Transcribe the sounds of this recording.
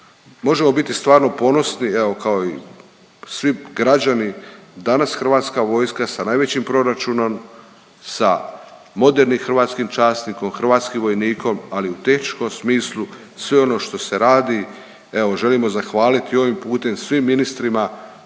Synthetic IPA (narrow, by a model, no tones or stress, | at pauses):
mo̞ʒe̞mo̞bit̪ist̪ʋaːɾno̞po̞no̞snie̞o̞kao̞i | sʋiɡɾad͡ʑanid̪anasxr̩ʋaːt̪skaʋo̞jskasanaːjʋe̞t͡ɕimpɾo̞ɾat͡ʃuno̞m | sa̰ | mo̞d̪e̞ɾnimxɾ̩ʋaːt̪skimt͡ʃaːst̪niko̞mxr̩ʋaːt̪skimʋo̞jniːko̞maliut̪e̞xnit͡ʃko̞msmiːslˠu | sʋe̞o̞no̞ʃt̪o̞se̞ɾaːd̪i | e̞ʋo̞ʒe̞limo̞zaxʋaːlit̪io̞ʋimpuːt̪e̞msʋimːinist̪ɾima